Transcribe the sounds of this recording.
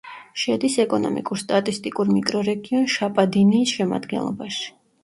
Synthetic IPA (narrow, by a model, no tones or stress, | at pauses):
ʃɛd̪isɛkʼɔnɔ̰mḭkʼuɾst̪ʼat̪ʼist̪ʼikʼuɾmikʼɾɔɾɛɡiɔnʃapʼad̪iniːsʃɛma̰d̪ɡɛ̰nlˠɔbaʃi̥